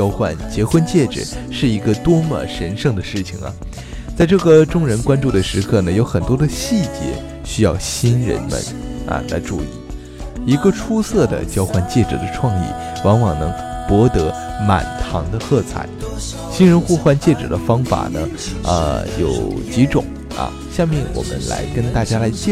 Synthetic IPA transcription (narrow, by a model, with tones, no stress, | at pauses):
t͡ɕɑ˥ʊxwa̰˥˩nt͡ɕjɛ˧˥xwə˥˧nt͡ɕjɛ˥˩ʈ͡ʂɻ̩̰˨˩˦ʂɻ̩˥˩i˧˥ɡə˧t̪wɔ˥mə̰˥˧˩ʂə˧˥nʂɤ˥˩ŋd̪ə˩ʂɻ̩˥˩t͡ɕʰḭ˨˩ŋɐ̰˩ | t͡sa˥˧ɪʈ͡ʂɤ˥˩ɡə˩ʈ͡ʂʊ˥ŋɻə˧˥nkwa˥nʈ͡ʂu˥˩d̪ə˩ʂɻ̩˧˥kʰɤ˥˩nə˩jo˧˥ʊxə˨˩nt̪wɔ˥d̪ə˧ɕi˥˩t͡ɕjɛ̰˧˥ | ɕy˥jɑ˥˩ʊɕi˥nɻə̰˧˥nmə̰˧nɐ̰˨˩la̰˧˥ɪʈ͡ʂṵ˥˧ḭ˥˩ | i˧˥ɡə˧ʈ͡ʂʰu˥sɤ˥˩d̪ə̰˩t͡ɕjɑ˥ʊxwa˥˧nt͡ɕjɛ˥˩ʈ͡ʂɤ̰˧˩d̪ə˦ʈ͡ʂʰwɑ˥˧ŋḭ˥˩ | wɑ˧˥ŋwɑ˨˩ŋnɤ˧˥ŋ | pwɔ˧˥t̪ɤ˧˥ma̰˨˩nt̪ʰɑ̰˧˥ŋd̪ə˧xɤ˥˧˩t͡sʰa̰˨˩˦ɪ | ɕi˥nɻə˧˥nxu˥˧xwa˥˧nt͡ɕjɛ˥˩ʈ͡ʂɤ˨˩d̪ə˦fɑ˥ŋfa̰˨˩nə̰˦ | ə̰˧jo˨˩ʊt͡ɕi˧˥ʈ͡ʂʊ˨˩˦ŋ | ɐ̰˧ | ɕja˥˧ŋmjɛ˥˩nwʔɔ̰˨˩mə̰˦nla̰˧˥ɪkə˥nt̪a˥˩t͡ɕja˥la˧˥ɪt͡ɕɛ˥˩